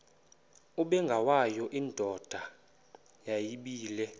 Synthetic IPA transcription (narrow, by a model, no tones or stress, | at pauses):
uɓɛŋɡʱawajɔʔiːndʱɔd̥ʱa | jajiɓiːlɛ